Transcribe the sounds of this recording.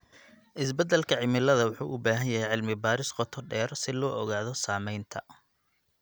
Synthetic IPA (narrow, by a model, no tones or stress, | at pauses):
ʔɪsbɛd̪ɛlkʰɐʕɪmɪlɐðɐwʊħṵːʔʊbaːɦɐnjɐɦɛjʕɪlmɪbaːɾɪsqɔt̪ʰɔɖɛːɾɔsɪlɔːʔɔɣaːðɔsaːmɛjnt̪ʰɐ